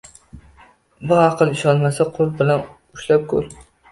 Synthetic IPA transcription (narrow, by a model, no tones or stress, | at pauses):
bʊaqʰɨlˠɪʃɒnmasaqʰʊɾbɪlan | ʊʃlap̚kʰɵ̰ɾ